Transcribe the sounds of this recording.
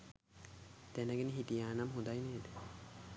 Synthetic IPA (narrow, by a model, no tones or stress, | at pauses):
d̪̥ɛnaɡeniɦit̪ijaːnamɦud̪ajneːd̪e̥